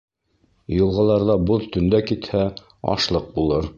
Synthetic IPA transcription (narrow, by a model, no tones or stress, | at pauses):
jɤ̆lˠʁɑlˠɑɾðɑboðt̪ɵ̆nd̪ækit̪hæ | ɑ̰ʃlˠɤq̚bulˠɤɾ